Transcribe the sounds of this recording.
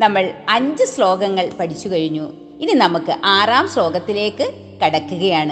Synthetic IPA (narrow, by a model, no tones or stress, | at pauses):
nɐmːɐɭɐɲd͡ʑɨslo̞ːɡɐŋːɐɭpɐʈʰit͡ɕːukɐɻiɲːu | ininɐmukːɨʔaːraːmslo̞ːɡɐt̪ːile̞ːkːɨ | kɐɽɐkːuɣɐjaːɳɨ